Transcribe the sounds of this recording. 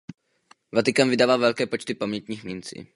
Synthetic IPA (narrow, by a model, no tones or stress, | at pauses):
vat̪ɪkamvɪdaːvaːvɛlkɛːpot͡ʃt̪ɪpamɲɛt̪ɲiːxmint͡sḭː